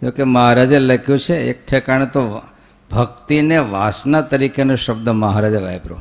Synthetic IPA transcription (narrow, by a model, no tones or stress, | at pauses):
d͡ʒokeməɦaɾad͡ʒeləkʰjũt͡ʃʰeek̚ʈʰɛkaɳ̃et̪o | bʱək̚t̪ineʋasnat̪əɾikenuʃəb̚d̪əməɦaɾad͡ʒaʋajpɾo̰